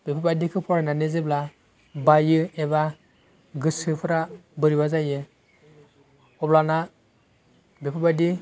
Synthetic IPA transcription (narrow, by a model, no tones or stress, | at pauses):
b̥epʰabajdikʰɯpʰɔɾananezebla | bajɯeba | ɡɯsɯpʰɯɾabɯɾibazajɯ | ɔblana | bepʰabajdi